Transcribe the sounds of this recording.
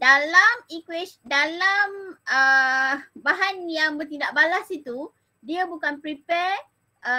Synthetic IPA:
dalamikwisdalamə | baɦanjaŋbərt̪indaʔ̚balasit̪u | diabukanpɾipɛr | ʔə

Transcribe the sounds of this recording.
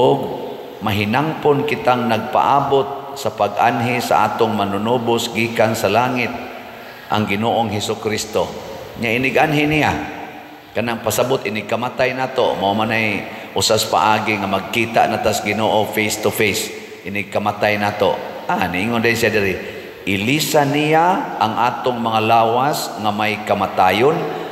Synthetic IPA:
ʔʊɡ̚ | maɦɪnaŋponkɪt̪aŋnaɡ̚pa̰ʔaːbʊt̪̚ | sapaɡʔanɦɪsa̰ʔa̰ːt̪ʊŋmanʊnubʊsɡiːkansalaːŋɪt̪̚ | ʔa̰ŋɡɪnoʔoŋɦɛsʊkɾist̪oɲaʔɪnɪɡʔanɦɪnija | kanaŋpasabʊt̪ʔɪnɪɡ̚kamat̪ajnaːt̪omamanaj | ʔʊsasḁpa̰ʔaɡiŋamaɡ̚kit̪a̰ʔnat̪asɡɪnoʔofejst̪ʊfejs | ʔɪnɪɡ̚kamat̪ajnaːt̪o̰anɪiŋondnsijadɪɾɪ | ʔɪlisanijaʔaŋʔaːt̪ʊŋmaŋalaːwasŋamajkamat̪ajon

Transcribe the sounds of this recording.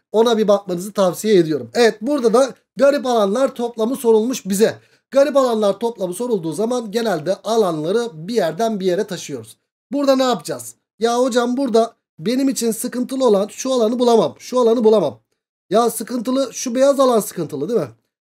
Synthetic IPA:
o̞nabibak̚manɯzɯt̪ʰavsijeed̪ijo̞ɾumevɛt̪̚buɾd̪ad̪a | ɡaɾip̬alˠanlˠaɾt̪ʰo̞plˠamɯso̞ɾulˠmuʃbizɛ | ɡ̥aɾip̬alˠanlˠaɾt̪ʰo̞plˠamɯso̞ɾulˠd̪uːzamanɟe̞nælʲd̪ɛʔalˠanlˠaɾɯbijæɾd̪ænbije̞ɾɛt̪ʰaʃɯjo̞ɾuz̥ | buɾd̪anajapɯd͡ʒaz̥ | jaːho̞d͡ʒambuɾd̪a | be̞nimit͡ʃʰinsɯkɯnt̪ʰɯlˠɯo̞lˠanʃualˠanɯbulˠamamʃualˠanɯbulˠamam | jaːsɯkɯnt̪ɯlˠɯʃube̞jazalˠansɯ̥kɯnt̪ʰɯlˠɯd̪imɪ

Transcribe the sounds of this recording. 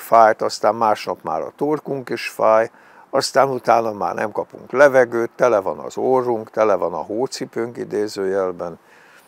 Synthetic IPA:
faːjt̪ɒst̪aːmmaːʃnɒpma̰ːɾɒ̰t̪orkuŋkiʃfaːj | ɒst̪aːnut̪aːnɒma̰ːrnɛ̰mkɒpṵŋklɛvɛɡøːt̪ːɛlɛvɒnɒ̰zoːruŋkt̪ɛlɛvɒnɒ̰ɦoːt̪sipøːŋkid̪eːzøːjɛlbɛn

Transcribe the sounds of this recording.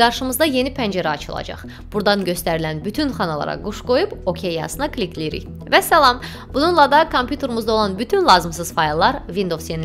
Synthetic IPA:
ɡɑɾʃɯmɯzd̪ɑje̞nipʰænd͡ʒeɾæɑ̰t͡ʃʰɯlˠɑ̰d͡ʒɑ̰χ | b̥uɾd̪ɑnɟø̞st̪æɾilænbyt̪ʰynχɑnɑlˠɑ̰ɾɑ̰ɡuʃɡo̞jupo̞cʰejːɑ̰sɯnɑkʰlʲikʰlijiɾḭj | væsælˠɑm | bununlˠɑd̪ɑkʰompʰjut̪ʰe̞ɾmuzd̪ɑolˠɑnbyt̪ʰynlˠɑːzɯms̬ɯz̥fɑjlˠːɑɾvind̪o̞vsjeni

